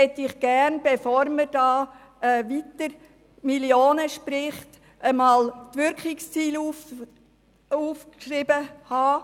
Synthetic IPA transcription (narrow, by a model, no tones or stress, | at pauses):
hɛt̪ːɪχɡ̥æɾnb̥ɛfoːɾməɾd̥ɑː | ɛʋitəɾ | miljoːnəʃpɾɪχt | ʔəmɑːltʋʏɾkχɪkst͡siːlu | uːfkʃrɪbəhɑː